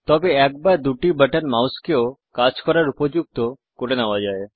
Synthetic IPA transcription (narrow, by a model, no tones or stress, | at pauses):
t̪ɔbeɛk̚baɾd̪uʈibəʈənmawskeokat͡ʃkɔɾaɾupɔd͡ʒuɡ̚t̪ɔ | koʈenaʋad͡ʒae